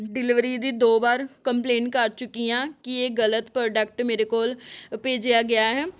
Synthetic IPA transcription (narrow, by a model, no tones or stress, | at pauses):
ɖɪlɪʋɾiːd̪iːd̪oːbaːɾkəmpleːnkəɾt͡ʃʊkːijãːkieːɡələt̪pɾoːɖək̚ʈmeːɾekoːlpeːd͡ʒɪjaːɡɪjaːɦɛː